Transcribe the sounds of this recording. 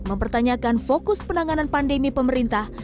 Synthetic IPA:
məmpərt̪aɲakanfokʊspənaŋananpandemipəməɾint̪ah

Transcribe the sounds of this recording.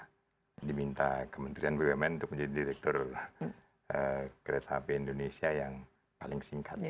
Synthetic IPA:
dimint̪akəmənt̪ɾianbeɡamɛnunt̪ʊk̚məɲd͡ʒadidiɾɛk̚t̪ɔr | əkəɾet̪ʰapeindonesiajaŋ | palɪŋsiŋkʰat̪

